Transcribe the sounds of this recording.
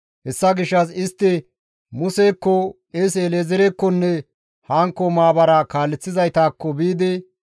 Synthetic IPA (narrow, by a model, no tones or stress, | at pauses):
hɛsːɐɡɪʃːɐs̬ɪst̪ːɪ | mʊseːkːɔ | es̬eleːzɛɾekːɔnːɛ | haːŋkːɔmaːbɐɾɐkaːlːɛt͡sːɪzɐjt̪aːkːɔbiːd̪ɪ